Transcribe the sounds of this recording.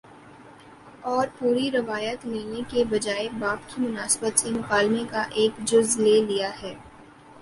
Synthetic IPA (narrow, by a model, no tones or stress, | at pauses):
ɔːɾpuːɾiɾɪʋaːjət̪leːnekebɐd͡ʒaːebaːpkimʊnaːsbət̪semʊqaːlmekaʔeːkd͡ʒʊzleːlijaɦɛː